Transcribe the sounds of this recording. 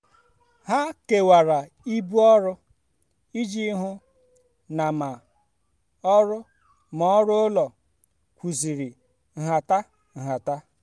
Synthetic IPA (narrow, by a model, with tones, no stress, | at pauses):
ha˦ke˨wa˨ɾa˨ | i˦bu˦ɔ˦ɾʊ˦ | i˦d͡ʒi˦ɦʊ˦ | na˨ma˨ | ɔ˦ɾʊ˦ | mɔ˨˦ɾʊ˦ʊ˦lɔ˨ | kʷu˨zi˨ɾi˨ | ŋ̩˨ɦa˨ta˦ | ŋ̩˨ɦa˨ta˦